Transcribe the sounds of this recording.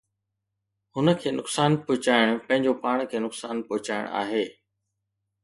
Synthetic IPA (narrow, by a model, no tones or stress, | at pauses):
hʊnəkʰeːnʊksaːnpʊɦʊt͡ɕaːɪɽ̃pɐ̃ɦɪ̃ɲd͡ʑopaːɽ̃kʰeːnʊksaːnpoɦʊt͡ɕaːɪ̰ɽ̰̃a̰ːɦeː